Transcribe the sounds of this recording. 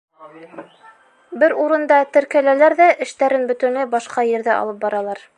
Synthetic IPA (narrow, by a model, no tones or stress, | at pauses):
bɘɾuɾɤ̆nd̪ɑt̪ɘ̆ɾkælælæɾðæʔɘ̆ʃt̪æɾɘnbɵ̆t̪ɵ̆nɘbɑʃqɑjɘ̆ɾðɘʔɑ̰lˠɤp̚bɑɾɑlˠɑɾ